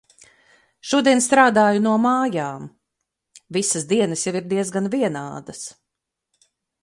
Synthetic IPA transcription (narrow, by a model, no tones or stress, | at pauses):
ʃuɔd̪iɛnst̪ɾaːd̪aːjunuɔmaːjaːm | visəsd̪iɛnɐsjaviɾd̪iɛzɡanviɛnaːd̪ɐs